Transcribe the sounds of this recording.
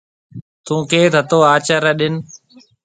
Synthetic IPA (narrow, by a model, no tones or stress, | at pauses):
t̪ũːkʰeːt̪ʰət̪oːaːt͡ʃaːɾaːɗɪn